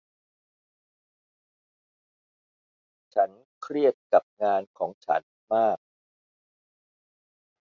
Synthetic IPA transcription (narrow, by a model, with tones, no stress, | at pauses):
t͡ɕʰa˦˥n | kʰɾi˥˩ət̪̚ka˨˩p̚ŋaː˧nkʰɔː˩˦ŋt͡ɕʰa̰˦˥n | maː˥˩k̚